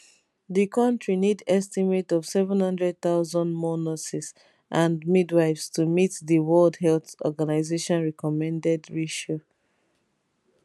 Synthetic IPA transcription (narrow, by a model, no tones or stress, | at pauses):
ðikɔ̃ntɹinidɛstimetɔv̥sɛvɛ̃nhʌ̃ndɹɛd̚θaʊzɔ̃ndmɔnɔsis | ʔãndmidwaɪvstumitðəwɔldɦɛlθɔ̰ɡanaɪzeʃɔ̃nɹɛkɔmɛ̃ndɛdɹiʃo